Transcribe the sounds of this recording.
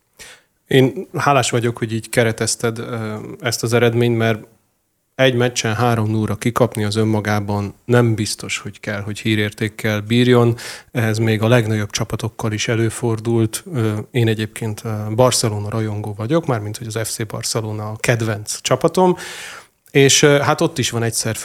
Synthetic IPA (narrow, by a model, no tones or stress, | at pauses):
eːnhaːlaːʃʋɒɟo̞kho̞ɟiːɟkɛɾɛt̪ɛst̪ɛd̪ɛst̪ɒzɛɾɛd̪meːɲt̪mɛr | ɛɟmɛt͡ʃːɛnɦaːɾo̞mnulrɒkikɒpniɒzø̞mːɒɡaːbɒnːɛmbist̪o̞ʃho̞ckɛlɦo̞chiːɾeːrt̪eːkːɛlbiːrjo̞nɛzmeːɡɒlɛɡnɒɟo̞b̚t͡ʃɒpɒt̪o̞kʰːɒliʃɛløːfo̞rd̪ult̪ːeːnɛɟeːp̚kʰeːnt̪bɒrsɛloːnɒɾɒjo̞ŋɡoːvɒɟo̞kmaːrmint̪ho̞ɟɒzɛfseːbɒ̰rsɛloːnɒkɛd̪ʋɛnt̪st͡ʃɒpɒt̪o̞m | eːʃɦat̪o̞t̪ːiʃʋɒnɛcsɛrf